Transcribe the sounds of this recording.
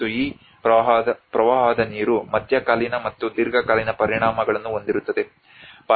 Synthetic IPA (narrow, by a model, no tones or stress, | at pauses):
uiː | ɐɦɐpɾɐʋɐɦaːd̪ɐniːɾumɐd̪ʱjɐkaːlinɐmɐt̪ːud̪iɾɡɐkaːlinɐpɐɾiɳaːmɐɡɐɭɐnːuo̞nd̪iɾut̪ːɐd̪e̞ | pa